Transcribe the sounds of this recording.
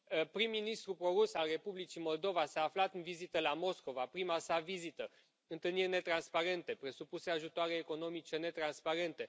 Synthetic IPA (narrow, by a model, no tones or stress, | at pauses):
pɾimːinist̪ɾupɾo̞ɾusalre̞publit͡ʃimo̞ld̪o̞vasaːflat̪ɨnvizit̪əlamo̞sko̞vapɾimasavizit̪ə | ɨnt̪ɨlnirʲne̞t̪ɾanspaɾe̞nt̪e̞pɾe̞supuse̞aʒut̪oaɾe̞ːko̞no̞mit͡ʃe̞ne̞t̪ɾanspaɾe̞nt̪e̞